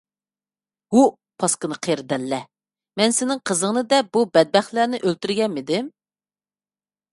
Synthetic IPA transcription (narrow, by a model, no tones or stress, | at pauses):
hu | pʰɑskɨnɨqʰeɾd̪ɛlːɛ | mɛnsɪnɪŋqʰəzəŋnɨd̪ɛb̥ubɛd̪̚bɛχlænɪʔølt̪yɾɡʲɛnmːɪd̪ɪm